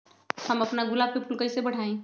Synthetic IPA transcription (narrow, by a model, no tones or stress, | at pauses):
hɐmɐpnaɡʊlaːb̚pepʰʊlkəisebɐɽ̤aːẽː